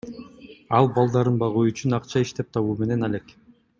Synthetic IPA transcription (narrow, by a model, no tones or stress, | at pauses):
ɑlˠbɑlˠd̪ɑɾɯnbɑʁuːyt͡ʃynɑqt͡ʃɑiʃt̪e̞p̚t̪ʰɑβuːme̞ne̞nalʲe̞k